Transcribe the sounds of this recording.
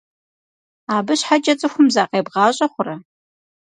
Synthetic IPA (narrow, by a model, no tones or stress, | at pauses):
aːbɨɕħat͡ʃʼɐt͡sʼɨxʷʊmzaːqeːbʁɑːɕʼɐχʷʊrɐ